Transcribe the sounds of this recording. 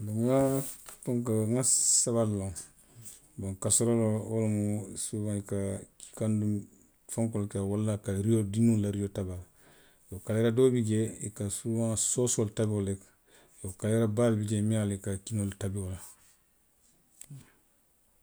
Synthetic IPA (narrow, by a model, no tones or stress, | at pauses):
dumafoŋkaŋasaβalːoŋ | boŋkasoɾolooɾmusuwãikaki̥kandum | faŋkolkawalːakaɾijodinulaɾijotabal | jokaleɾadobid͡ʒeikasuwãsosoltabiolek | jokaleɾabalbid͡ʒemialikakinoltabiola